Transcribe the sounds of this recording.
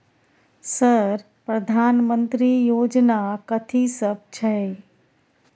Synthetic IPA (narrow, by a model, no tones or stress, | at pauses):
səɾ | pɾəd̪ʱaːnmə̃nt̪ɾijoːd͡ʒnakət̪ʰisəb̚t͡ʃʰɛ